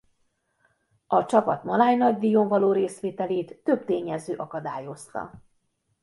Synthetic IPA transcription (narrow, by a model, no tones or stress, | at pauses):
ɒt͡ʃɒpɒt̪mɒlaːjnɒɟd̪ijoɱvɒloːɾeːsʋeːt̪ɛleːt̪ːø̞bt̪eːɲɛzøːʔɒkɒd̪aːjo̞st̪ɒ̰